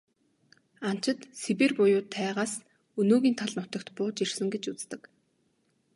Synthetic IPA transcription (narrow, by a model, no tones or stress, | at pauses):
an̥t͡ɕɪ̆t̪sepĕrpʊjʊːt̪ʰːæːʁaːs | ɵnoːɣʲiːnt̪ʰaɮnʊt̪ə̆kt̪pʊːt͡ɕirsɘ̆ŋɡet͡ɕut͡st̪ə̆k